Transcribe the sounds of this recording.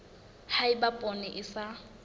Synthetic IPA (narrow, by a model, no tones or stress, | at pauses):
haɪbapʼɔnɪʔɪsa